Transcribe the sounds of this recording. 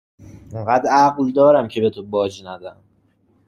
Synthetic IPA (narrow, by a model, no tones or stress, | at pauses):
iɴɢæd̪æɡld̪ɒːɾæmcʰe̞be̞t̪ʰobɒːd͡ʒnæd̪æm